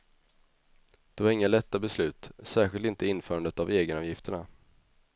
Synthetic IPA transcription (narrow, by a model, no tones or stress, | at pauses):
d̪̥ɛvaɾɪŋːalɛt̪ːabɛslʉ̟ːt̪sæːɾɧɪlt̪ɪnt̪əɪnfœːɾand̪ət̪aveːɡənɔvjɪft̪əɳa